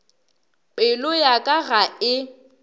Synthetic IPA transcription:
pʼɪlʊjakʼaɣaɪ

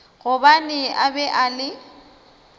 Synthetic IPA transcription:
ɣʊbanɪʔabɛʔalɪ

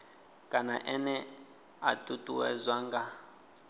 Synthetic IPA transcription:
kʼanaʔɛnɛ | atʼutʼuwɛ̰zʷaŋɡa

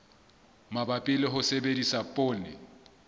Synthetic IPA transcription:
mabapʼɪlɪɦʊsebedisapʼʊːnɪ

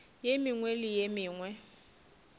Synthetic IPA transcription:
jemɪŋwelɪjemɪːŋwɛ

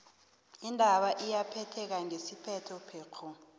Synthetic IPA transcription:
indʱaɓaʔijapʰɛtʰɛk̬aŋesipʰɛtʰɔpʰeːkʰu

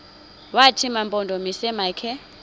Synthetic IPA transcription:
watʰimampʼɔndʱɔmisɛmakʰɛ

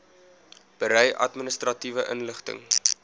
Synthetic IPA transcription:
b̥əɾɛjʔɐ̰tminəstrɐtivəʔənləχtə̰ŋ

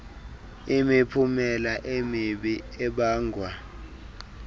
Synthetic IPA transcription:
imipʰumɛlaʔemiɓi | ɛɓaːŋɡʱwa

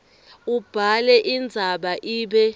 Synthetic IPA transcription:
ub̥ʱalɛʔind͡zʱaɓaʔiːɓɛ

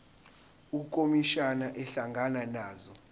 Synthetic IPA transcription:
ukʼomiʃanaʔɛɬaŋɡʱananaːzɔ

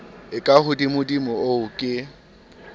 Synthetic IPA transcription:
ɪkʼahʊdimʊdimʊoʊkʼɪ

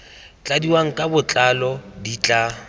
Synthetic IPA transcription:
t͡ɬʼadiwaŋ̩kʼabʊt͡ɬʼalɔdit͡ɬʼa

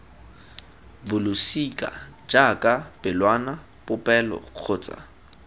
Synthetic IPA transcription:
bʊlʊsikʼa̰d͡ʒakʼab̥ɪlwana | pʊpʼɛlɔ̰q͡χʰoːt͡sʼa̰

